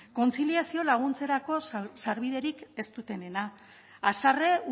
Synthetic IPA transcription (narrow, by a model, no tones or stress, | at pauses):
ko̞nt͡siliasio̞laɣ̞unt͡se̞ɾako̞saɾβið̞e̞ɾike̞st̪ut̪e̞ne̞naː | sare̞u